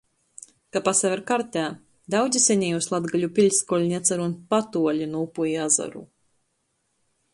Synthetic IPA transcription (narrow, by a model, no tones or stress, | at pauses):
kapasɛvʲɛɾkaɾt̪ʲæː | d̪awd̪zʲisʲɛɲʲɛjuslˠad̪ɡalʲupʲilʲskɔlʲnʲiɛt̪saɾunpat̪uɔlʲinuupujiaza̰ɾṵ